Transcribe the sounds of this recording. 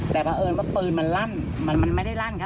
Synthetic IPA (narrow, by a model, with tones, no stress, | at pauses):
t̪ɛː˨˩waː˧ʔɤː˧nwaː˥˩pɯː˧˩nma˧nla˥˩n | ma˧nma˧nma˥˩jda˥˩jla˥˩nkʰa˦˥